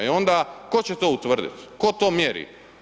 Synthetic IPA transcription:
io̞nd̪ako̞t͡ɕet̪oːut̪ʋr̩d̪ḭt̪ko̞t̪o̞ːmjeɾḭ

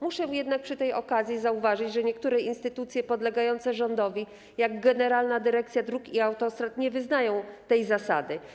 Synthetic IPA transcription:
muʂɛjɛd̪nak̚pʂɘt̪ɛjɔkazʲjizauvaʐɘt͡ɕʐɛɲɛkt̪uɾɛʔinst̪ɘt̪ut̪sʲjɛpɔd̪lɛɡajɔnt̪sɛʐɔnd̪ɔvʲi | jaɡɡɛnɛɾalnad̪ɘɾɛk̚t̪sʲjad̪ɾukiawt̪ɔst̪ɾat̪ɲɛvɘznajɔ̃w̃t̪ɛjzasa̰d̪ɘ

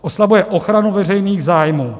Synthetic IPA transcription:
ʔoslabujɛʔo̞xɾanuvɛr̝ɛjniːɣzaːjmuː

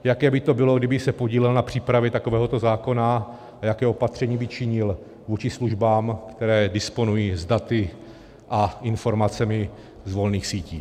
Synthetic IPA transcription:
jakɛːbɪt̪o̞bɪlo̞ɡdɪbɪsɛpo̞ɟiːlɛlnapr̝̥iːpɾavjɛt̪akovɛːɦot̪o̞zaːko̞na | ajakɛːo̞pat̪r̝̥ɛɲiːbɪt͡ʃɪɲɪl | vuːt͡ʃɪsluʒbaːmkt̪ɛɾɛːdɪspo̞nujiːzdat̪ɪ | ʔaɪnfo̞ɾmat͡sɛmɪ | zvo̞lniːxsiːciː

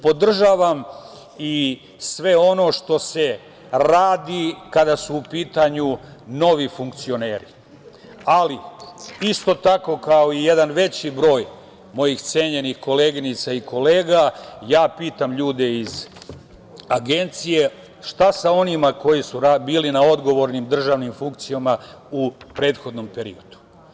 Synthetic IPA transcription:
po̞d̪r̩ʒaːʋam | i | sʋe̞o̞no̞ʃt̪o̞se̞ | ɾaːd̪ikad̪asuːpiːt̪aɲuno̞ʋifuŋk̚t̪sio̞ne̞ːɾḭ | aliist̪o̞t̪ako̞kao̞ije̞d̪anʋe̞t͡ɕibɾo̞ːj | mo̞jixt̪se̞ɲe̞nixko̞le̞ːɡinit̪saiko̞le̞ːɡajaːpiːt̪amʎuːd̪e̞iz | aɡe̞nt̪sije̞ | ʃt̪asao̞nimako̞jisuɾabiːlinao̞d̪ɡo̞ʋo̞ɾnimd̪r̩ʒaːʋnimfuŋk̚t̪sijama | upɾe̞ːt̪xo̞d̪no̞mpe̞ɾḭjo̞d̪u̥

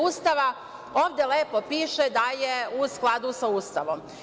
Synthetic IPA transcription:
ust̪aʋa | o̞ːʋd̪ele̞ːpopiːʃed̪ajeusklˠad̪usaust̪aʋom

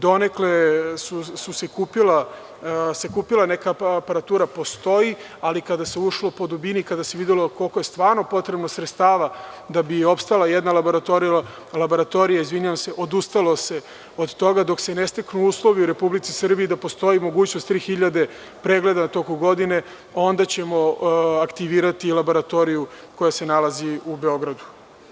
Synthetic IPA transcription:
d̪o̞neklesususekupila | se̞kuːpilˠanekaːpaɾat̪uːɾapo̞st̪o̞ji | alikad̪aseuʃlˠo̞po̞d̪ubinikad̪ase̞ʋid̪elo̞ko̞lko̞jest̪ʋaːɾno̞po̞t̪ɾebnosɾet̪st̪aːʋa | d̪abio̞pst̪alˠajed̪nalaboɾat̪oɾia | labo̞ɾat̪o̞ɾijaizʋiɲuʋamse̞ʔo̞d̪ust̪alo̞se̞ | od̪t̪o̞ɡad̪o̞kse̞nest̪eknuuːslˠo̞ʋiuɾe̞publit̪sisr̩bijid̪apo̞st̪o̞jimo̞ɡuːt͡ɕnost̪ːɾiːxiʎad̪e̞ | pɾeɡle̞d̪anat̪o̞kumɡo̞d̪ine̞ | o̞nd̪at͡ɕemo̞akt̪iʋiːɾat̪ilabo̞ɾat̪o̞ɾiju | ko̞jase̞nalaziube̞o̞ɡɾad̪u̥

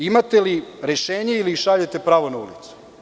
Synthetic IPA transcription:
imat̪eliɾeʃeːɲeiliʃaʎet̪e̞pɾaːʋo̞naṵlit̪su̥

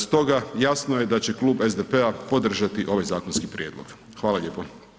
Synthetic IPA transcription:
st̪o̞ɡajasnoje̞d̪at͡ɕe̞klˠuːbe̞zd̪epeapo̞d̪r̩ʒat̪iʔo̞ʋajzaːkonskipɾʲjeːd̪lˠoɡ̥ | xʋaːlaʎʲeːpo

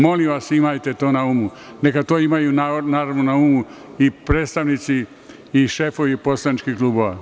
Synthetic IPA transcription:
mo̞limʋasimajt̪e̞t̪o̞ːnaumune̞kat̪oːimajunanaːɾaʋnonaumuipɾeːt̪st̪aʋnit̪siː | ʃefo̞ʋipo̞slˠanit͡ʃkihkluːboʋa

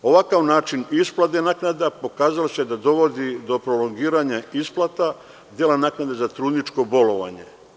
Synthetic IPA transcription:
o̞ʋakaʋnaːt͡ʃinisplad̪enaːknad̪apo̞kaːzalosed̪ad̪o̞ʋo̞d̪id̪o̞pɾo̞lo̞ŋɡiːɾaɲaisplˠat̪a | d̪jelanaːknad̪ezat̪ɾuːd̪nit͡ʃko̞bo̞lo̞ʋa̰ɲe̞̰

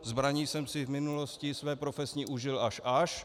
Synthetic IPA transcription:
zbɾaɲiːsɛmsɪvmɪnuloscɪsvɛːpɾofɛsɲiʔuʒɪlaʃʔaʃ

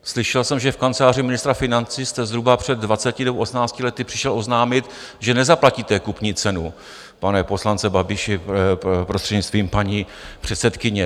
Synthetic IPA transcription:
slɪʃɛlsɛmʒɛfkant͡sɛlaːrɪmɪnɪst̪ɾafɪnant͡siːst̪ɛzɦɾubapr̝̥ɛd̪̚ːvat͡sɛcɪnɛbowʔosmnaːt͡scɪlɛt̪ɪpr̥ɪʃɛlʔo̞znaːmɪt̪ | ʒɛnɛzaplaciːt̪ɛkupɲiːt͡sɛnu | panɛpo̞slant͡sɛbabɪʃɪpɾost̪r̥ɛd̪ɲɪst̪viːmpaɲipr̝̥ɛt̪sɛt̪kɪɲɛ

